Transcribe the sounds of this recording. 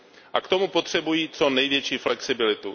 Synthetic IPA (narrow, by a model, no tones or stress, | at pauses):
ʔakt̪o̞mupot̪r̝̥ɛbujiːt͡so̞nɛjvjɛt͡ʃiːflɛksɪbɪlɪt̪u